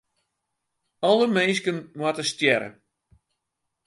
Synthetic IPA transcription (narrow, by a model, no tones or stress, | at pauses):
ɔlˠəmenskənmwatəstjɛɾə̰